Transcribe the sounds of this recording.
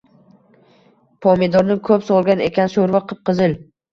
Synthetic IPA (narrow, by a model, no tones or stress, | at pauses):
pʰɒmed̪ɒɾnɪkʰɵpsɒlˠɡʲane̞̰kʲanʃoɾvaqʰɨp̚qɨzɪl